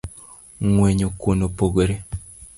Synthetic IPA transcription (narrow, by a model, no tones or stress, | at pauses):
ŋweɲokonopoɡoɾe